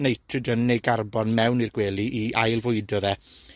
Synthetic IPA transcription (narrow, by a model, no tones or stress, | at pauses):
nejtʰrɨdənejɡarbɔnmɛwnirɡweːlˠiʔiʔajlˠvʊɨdɔðɛ